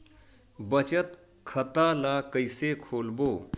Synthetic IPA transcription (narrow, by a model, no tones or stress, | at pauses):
bət͡ʃət̪ | kʰət̪alakəɪsekʰolboː